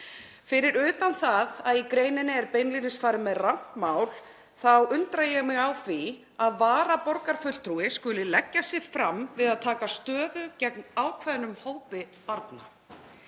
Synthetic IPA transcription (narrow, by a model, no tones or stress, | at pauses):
fɪɾɪɾʏːt̪anθaðaðikɾeːjnɪnːɪɛɾpejnlinɪsfaːɾɪmɛðrahtmawl̥ | θawʏnt̪ɾajɛmɪɣawθvi | aðvaːɾapɔɾkaɾ̥fʏ̥t̪ʰɾuɪskʏlɪlɛcːasɪ̥fɾamvɪðaðt̪ʰaːkast̪œːðʏcɛknaːwkʰvɛðnʏmhoːwpɪpaɾt̪na̰